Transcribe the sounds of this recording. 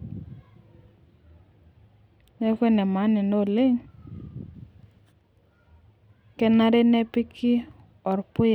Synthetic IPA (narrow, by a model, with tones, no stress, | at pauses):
nɛ˦kwe˦nɛ˨ma˨˦nɪ˨no˦˨le˦ŋ | kɛ˦na˦ɾe˦nɛ˦pɪ˦kʰɪ˦ | ɔ˨ɾpʊ˦j